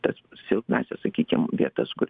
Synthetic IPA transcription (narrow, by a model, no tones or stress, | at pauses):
t̪ɐssʲɪlˠknɑ̰ːsʲɛsɐkʲiːkʲɪmʋʲiɛt̪ɐskʊɾʲ